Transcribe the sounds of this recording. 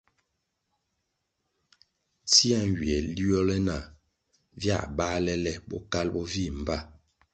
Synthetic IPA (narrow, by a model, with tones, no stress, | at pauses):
ti˦a˦˨n˨wi˨ɛ˨li˦ɔ˦lɛ˦na˨ | vja̰˦˨ba˦lɛ˦lɛ˦bɔ̰˦ka˦lbɔ˦vi˦˨m˨ba˦˨